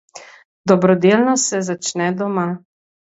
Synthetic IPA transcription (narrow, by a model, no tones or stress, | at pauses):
d̪ɔbɾɔd̪elnɔsɛzat͡ʃnɛd̪ɔma